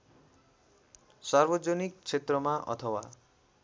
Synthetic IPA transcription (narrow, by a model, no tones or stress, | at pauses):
sarbʌd͡zʌnik̚t͡sʰet̪rʌmaʔʌ̰t̪ʰʌwa̰